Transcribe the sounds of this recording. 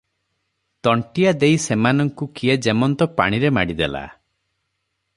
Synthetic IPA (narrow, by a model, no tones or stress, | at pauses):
t̪ɔɳʈijad̪ejsemanɔŋkukijad͡ʒemɔnt̪ɔpa̰ɽ̃iɾemaɽid̪ela̰